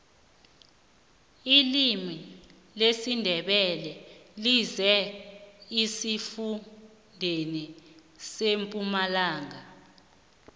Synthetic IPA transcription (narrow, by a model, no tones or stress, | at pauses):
ilimi | lesindʱɛɓɛlɛlizɛ | isifu | ndʱeni | sempʼumalaːŋa